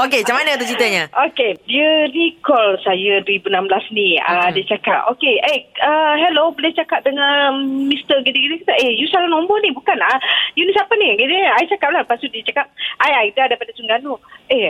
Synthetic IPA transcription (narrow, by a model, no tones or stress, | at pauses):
okeat͡ʃamanət̪̬ut͡ʃit̪əɲəʔokediənikɔlsajədwəɾibunamblasniədiət͡ʃakap̚okeeəɦɛlobəleht͡ʃakap̚dəŋãnmist̪əɡid̪iɡinəkat̪əʔejusalanɔ̃mbɔnibukanajunisapəniɡiniajit͡ʃakap̚lapasudiət͡ʃakap̚ajajidadajpadasuŋɡanue